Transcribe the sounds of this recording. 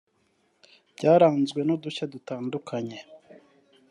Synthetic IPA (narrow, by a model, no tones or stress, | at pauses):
bɟaːɾaːnzɡwe̞noduçadutaːndukʰaɲe̞